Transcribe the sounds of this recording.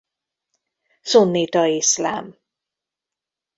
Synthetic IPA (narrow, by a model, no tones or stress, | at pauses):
sunːit̪ɒisla̰ːm